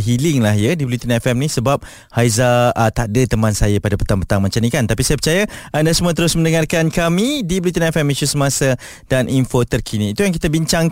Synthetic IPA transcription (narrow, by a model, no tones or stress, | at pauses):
ɦilɪŋlaɦjadibəlut̪ənɛfɛmnisəbap̚ | hajzat̪adət̪əmãnsajapadapə̥t̪aŋpət̪aŋmat͡ʃanikant̪apisajəpət͡ʃajaandasəmuat̪əɾʊsmə̃ndəŋarkankamidibəlut̪̬ənɛfɛmiʃusəmasa | d̥anʔinfot̪ərkʰinĩːt̪ujaŋk̬it̪abiɲt͡ʃaŋ